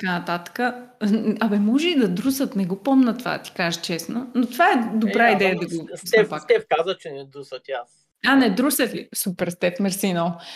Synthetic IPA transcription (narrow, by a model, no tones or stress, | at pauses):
t̪ɐkanɐt̪at̪ə̥kə | ɐbɛmɔʒɛid̪ɐd̪ɾusət̪nɛɡopɔmnət̪ova̰d̪ɐt̪i̥kaʒət͡ʃɛsnonot̪ovaɛd̪obɾaid̪ɛjəd̪ɐɡopspakt̪ɛfkazət͡ʃɛnɛd̪ɾusət̪ias | anɛd̪ɾusət̪isupɛɾst̪ɛt̪mɛɾsinolˠ